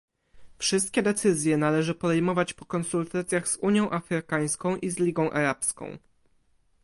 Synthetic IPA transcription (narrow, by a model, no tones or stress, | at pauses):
fʂɘst̪̚kʲɛd̪ɛt̪sɘzʲjɛnalɛʐɘpɔd̪ɛjmɔvat͡ɕpɔ̥kɔnsult̪at̪sʲjaɣzuɲjɔ̃w̃ʔafɾɘkaj̃skɔ̃w̃ʔizlʲiɡɔ̃w̃ʔa̰ɾapskɔ̰̃w̃